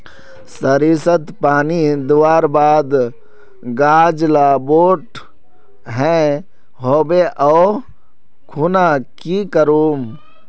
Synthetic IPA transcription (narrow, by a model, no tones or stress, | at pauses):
səɾiːsət̪paːnid̪uwaːɾbaːd̪ | ɡaːd͡ʒlaboːʈ | ɦɛ̃ | ɦoːbeʔɔː | kʰuːnakikəɾoːm